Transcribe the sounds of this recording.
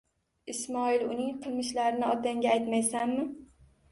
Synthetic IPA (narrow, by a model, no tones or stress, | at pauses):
ɪsmɒɪlʊnɪŋqʰɨlˠmɪʃlaɾɪnɪɒt̪aŋɡʲaajt̪majsanmɪ